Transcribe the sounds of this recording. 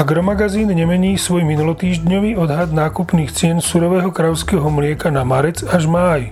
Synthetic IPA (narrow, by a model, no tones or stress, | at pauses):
aɡɾɔmaɡaziːnɲɛmɛɲiːsʋɔjminulɔt̪iːʒdɲɔʋiːɔd̪ɦad̪naːkupniːxt͡sɪɛnsuɾɔʋɛːɦɔkɾajʊskɛːɦɔmlɪɛkanamaɾɛt͡saʒmaːj